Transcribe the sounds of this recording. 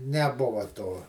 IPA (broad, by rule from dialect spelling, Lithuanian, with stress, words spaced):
nʲɛˈbʊʋɐ toː